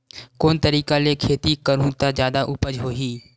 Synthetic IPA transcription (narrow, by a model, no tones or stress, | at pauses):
koːnt̪əɾiːkalekʰeːt̪ikəɾũt̪azjaːd̪aʔʊpəd͡ʒɦoːɦiː